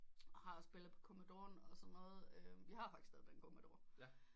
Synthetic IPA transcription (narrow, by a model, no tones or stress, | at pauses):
hɑ̈ɒsb̥e̝lð̩ˠpʰɒ̥̽kʰo̝mæd̥o̝̰ːɐnɒ̽sɒ̽nːɔːð̩ˠøʋihɑ̈fɑ̈ɡ̥st͡sʰɛːð̩ˠd̥enkʰomæd̥o̝̰ːɐ